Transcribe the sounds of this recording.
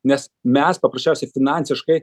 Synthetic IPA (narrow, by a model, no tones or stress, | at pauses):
nʲɛsmʲɛspɐpɾɐsʲt͡ʃʲɛʊsʲɛfʲɪnɑnʲsʲɪʃkɐɪ